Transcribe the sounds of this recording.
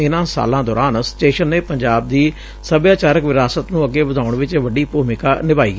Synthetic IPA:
ɪnãːsa̰ːlãːd̪ɔːɾaːnsɪ̥ʈeːʃənːeːpəɲd͡ʒaːb̚d̪iː | səbjaːt͡ʃaːɾəkʋɪɾaːsət̪nũːəɡeːbəd̪aːʊɳʋɪt͡ʃʋəɖiːpuːmɪkaːnɪbaːḭːɡ

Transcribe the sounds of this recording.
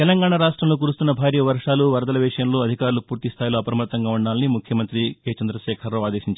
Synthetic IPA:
t̪ɛlɐŋɡaːɳaɾaːʂʈɾɐmloːk̬uːɾust̪unːɐbʱaːɾjɐʋɐɾʂaːluʋɐɾd̪ɐlɐʋɛːʂjɐnloːɐd̪ʱikaːɾulupuːɾt̪ist̪ʰaːjiloːɐpɾɐmɐt̪ːɐŋɡaːuɳɖaːlɐnimukʰjɐmɐnt̪ɾikeːt͡ʃɐnd̪ɾɐʃɛːkʰɐɾoaːd̪eːʃiɲt͡ʃ

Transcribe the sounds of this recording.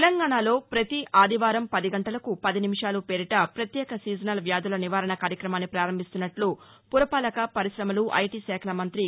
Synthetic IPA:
lɐŋɡaːɳaːlo̞ːpɾɐt̪iʔʔaːd̪ʱiʋaːɾɐmpɐd̪iɡɐɳʈɐlɐkupɐd̪inimiʂaːlupeːɾiʈɐpɾɐt̪jɛːkɐsiːd͡ʒɐnɐlʋjaːd̪ʱulɐniʋaːɾɐɳɐkaːɾjɐkɾɐmaːnːipɾaːɾɐmbʱist̪unːɐʈlu | puɾɐpaːlɐkɐpɐɾiʃɾɐmɐluʔɐ̰jʈiːsɛːkʰɐlɐmɐnt̪ɾi

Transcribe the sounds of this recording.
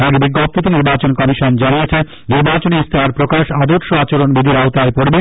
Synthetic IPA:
aɡebiɡːop̚t̪ot̪iniɾbat͡ɕonkɔmiʃond͡ʑanijet͡ɕʰe | niɾbat͡ɕoneist̪ʰaaɾpɾokaʃad̪oɾʃoat͡ɕoɾonbid̪ʱiɾaot̪aepoɾbe

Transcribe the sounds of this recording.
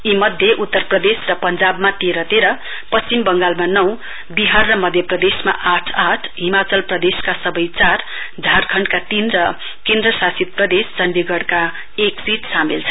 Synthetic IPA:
imʌd̪ʱjeʔut̪ːʌrprʌd̪esrʌpʌnd͡zabmat̪eɾʌt̪eɾʌ | pʌst͡simbʌŋɡalmanʌw | biɦarːʌmʌd̪ʱjʌprʌd̪esma̰ʔaʈʰaʈʰɦimat͡sʌlprʌd̪eskasʌbʌjt͡sar | d͡zʱarkʰʌɳɖkat̪inrʌ | kend̪rʌsasit̪̚prʌd̪est͡sʌnd̪iɡʌɽka | eksiʈsamilt͡sʰʌ

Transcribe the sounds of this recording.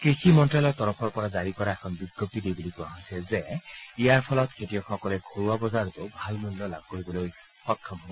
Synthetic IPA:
kɹiximɔnʈɹalɔɹt̪ɔɾɔpʰɔɹpɔɹazaɹikɔɹaɛkʰɔnbiɡjɔp̚t̪idejbulikuaɦojsezeijaɹpʰɔlɔt̪kʰetijɔxɔkɔleɡʱoɹuabɔzaɹɔt̪ubʱalmulːɔlab̚koɹibɔloj | xɔtʰːɔmɦɔbɔ

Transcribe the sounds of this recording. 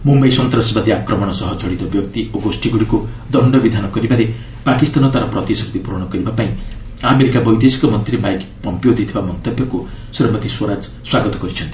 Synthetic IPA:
mumbejsɔnt̪ɾɔsibad̪iakɾɔmɔɽ̃ɔsɔɦɔt͡ʃɔɽit̪ɔbjɔkt̪ioɡosʈiɡuɽiku | d̪ɔɳɖɔbid̪ʱanɔkɔɾibaɾe | pakist̪anɔt̪aɾɔpɾɔt̪isɔkd̪ipuɾɔɽ̃ɔkɔɾibapaĩ | ameɾikabɔjd̪esi̥kɔmɔnt̪ɾimajkpɔmpijod̪ʱit̪ʰibamɔnt̪ɔbjɔku | siɾɔmɔt̪iswɔɾad͡ʒ | swaɡɔt̪ɔ̥kɔɾit͡ʃʰʌnt̪i̥

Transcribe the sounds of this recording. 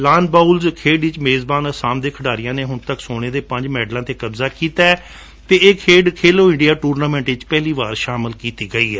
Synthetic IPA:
laːnbaːulzkʰeːɖʋɪt͡ʃmeːzbaːnəsãːmd̪eːkʰəɖaːɾɪjãːneːɦʊnt̪əksoːɽ̃eːd̪eːpə̃ɲd͡ʒmɛːɖlãːt̪eːkəbzaːkiːt̪aːɛ | t̪eːeːkʰeːɖkʰeːloːɪ̃ɳɖɪijaːʈuːɾnaːmɛ̃ːɳʈʋɪt͡ʃpɛːliːʋaːɾʃaːməlkiːt̪iːɡəiːɛː

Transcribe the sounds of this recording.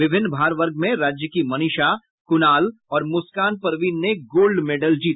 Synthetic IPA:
ʋɪbʱɪ̃nːbʱaːɾʋəɾɡʱmẽɾaːd͡ʒjəkimɐnɪʃa | kʊnaːlɔːɾmʊskaːnpɐɾʋiːnːeɡoːlɖmeːɖəld͡ʒiːt̪

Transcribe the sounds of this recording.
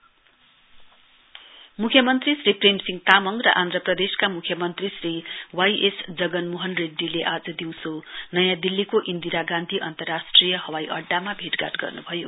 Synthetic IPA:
mukʰjʌmʌnt̪risriprensiŋɡt̪amʌŋrʌ̰ʔand̪rʌprʌd̪eskamukʰjʌmʌnt̪risriwajʔesd͡zʌɡʌnmoɦʌnreɖːileʔad͡zʌd̪iw̃sonʌjãd̪ilːikoʔind̪iɾaɡãnd̪ʱiʔʌnt̪ʌrasʈrijʌhʌwajʔʌɖːamabʱeʈɡa̰tɡʌ̰rnubʱʌjo

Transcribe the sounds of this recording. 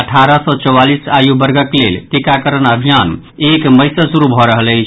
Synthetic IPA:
əʈʰaɾəsɔt͡ʃɔwalisajubəɾɡəklḛlt̪ekakəɾənəbʱijan | ekməjsəsuɾubʱɔɾəɦələɪt͡ʃʰ

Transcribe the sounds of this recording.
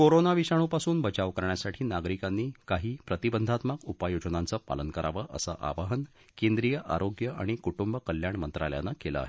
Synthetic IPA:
koɾonaʋiɕaɽ̃upasuːnbət͡ɕaʋkəɾɳjasaʈʰiːnaɡɾikanːiːkaɦiːpɾət̪ibənd̪ʱat̪məkupajod͡ʑnant͡səpa̰lənkəɾaʋəʔə̰sə̰ʔa̰ʋaɦən | kẽnd̪ɾijəʔa̰ɾoɡjəaɽ̃ikuʈumbəkəljaɳmənt̪ɾalja̰nakelə̰a̰ɦe

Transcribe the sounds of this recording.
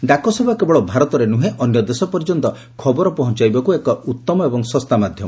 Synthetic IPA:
ɖakɔsebʱakebɔɭɔbʱaɾɔt̪ɔɾenuɦeʔɔnjɔd̪esɔpɔɾd͡ʒɔnt̪ɔ | kʰɔbɔɾɔpɔɦɔ̃nt͡ʃajbakuekɔut̪ːɔmɔebɔŋsɔst̪amad̪ʱjɔmɔ

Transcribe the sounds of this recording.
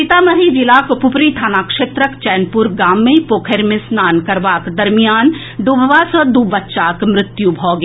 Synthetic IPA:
ɪt̪aːmɐɦid͡ʒɪlaːkpʊpɾit̪ʰaːnaːkʃeːt̪ɾəkt͡ʃɛːnpuɾɡaːmːẽpoːkʰeɾmɪ̃snaːnkɐɾʋaːkd̪ɐɾmijaːn | ɖuːbʱʋasəd̪uːbʋɐtːʃaːkmɾɪt̪jubʱɔːɡe

